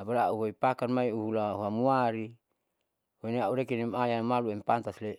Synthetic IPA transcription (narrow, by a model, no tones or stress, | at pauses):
abaɾaauɦoipakanmaiuɦulahuamuaɾi | weneauɾekinimajanmaluɛmpant̪asle